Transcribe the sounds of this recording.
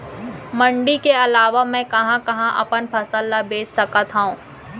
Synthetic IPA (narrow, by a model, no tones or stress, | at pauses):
mɐ̃ɳɖikeɐlaːʋamɛ̃kɐɦãkɐɦãʔɐ̰pənpʰɐsəlːabeːssɐkat̪ʰaũː